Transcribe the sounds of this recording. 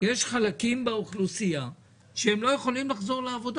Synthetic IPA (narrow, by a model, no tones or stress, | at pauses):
jeʃχalakimbeuχlusia | ʃeemlo̞jeχo̞limlaχzo̞ʁleavo̞d̪